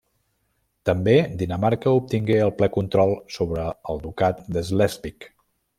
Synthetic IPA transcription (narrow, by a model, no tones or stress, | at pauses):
t̪əmbed̪inəmaɾkəup̚t̪iŋɡeəlˠplɛkunt̪ɾɔlˠsoβɾəːlˠd̪ukat̪̚d̪əzlɛzpik